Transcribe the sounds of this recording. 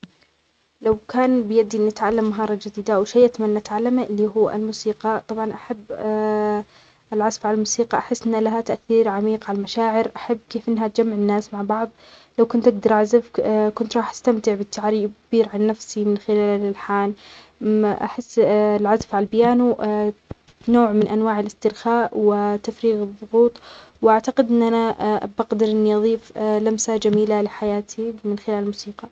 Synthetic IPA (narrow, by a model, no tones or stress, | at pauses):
lawkaːnbɪjad̪ːiʔɪnːɪt̪ʕalːamːaɦɑːɾˤɑd͡ʒɪd̪iːd̪awʃajʔat̪amanːaʔat̪ʕalːamaʔɪlːiːɦuːa̰lmusiːqɑt̪ˤɑbʕɑnʔaħabː | ʔɪlʕazfʕalalmuːsiːqɑʔaħɪsːʔɪnːlaɦat̪aʔθiːɾʕamiːqʕalalmaʃaːʕɪɾʔaħabːkeːfʔɪnːɦat̪̚d͡ʒamːaʕɪnːaːsmaʕbɑʕðˤlawkʊnt̪ʔaɡd̪ɑɾˤʔʕazafkʊnt̪ɾˤɑːħḁst̪amt̪ɪʕbɪt̪ʰːaʕɾiːbkbiːɾʕanːafsimɪnxɪlaːlɪlħaːn | ʔa̰ħɪsːlʕazafʕalalbɪjaːnu | noːʕmɪnʔanwaːʕɪlɪst̪ɪɾxaːʔwɪt̪afɾiːɣɨðˤːʊɣuːt̪ˤwʔaʕt̪aqɪd̪ʔɪnːʔanabaɣd̪ɪɾʔɪnːiʔɑðˤiːflamsad͡ʒamiːlalɪħajaːt̪ʰimɪnxɪlaːlmuːsiːqɑ